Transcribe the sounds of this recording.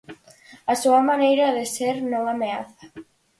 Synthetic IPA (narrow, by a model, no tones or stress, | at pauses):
asuɐmanejɾaðeseɾnõŋameaθḁ